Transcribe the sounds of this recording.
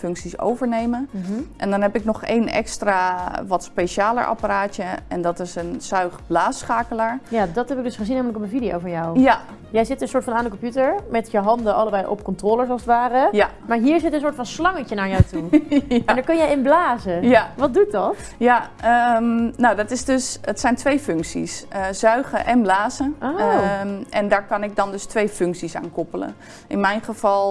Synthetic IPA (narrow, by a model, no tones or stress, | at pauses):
fɵŋksiso̰wvəɹnejməʔɛndɔnɦɛpɪknɔχḛjnɛ̰kstraʋɔtspeʃaːlə̰ɹʔa̰paɾaːtjəɛndɔtɪsənsœɥχblaːsχaːkəlaːɹjadɔtɦɛpɪk̚ɡdɵsχəzinamələkɔpənvidijo̰wvɔnjɔwja | jɛjzɪtənsoːɹtfɑnaːndəkɔmpjutəɹmɛtjəɦɑndəɑləbɛjʔɔ̰pkɔmtroːlˠəɹsɔlˠsətʋaːrəja | maːɹɦiːɹzɪtəns̬ʊːɹtfɑnslɑŋəcənaːɹjawtunndaːɹkɵnjəjɪnblaːzəjʋɑt̚dut̚dɑt | jaəmnawdɑtɪsdøsətsɛjntʋejfʏŋksḭsz̥œɥχəʔɛnblaːzəʔo | ʔɛndaːɹkɑnɪk̚dɑndɵstʋejfʏŋksisa̰ːnkɔpələ̰ | ʔɪnmɛjnχəv̥ɑlˠ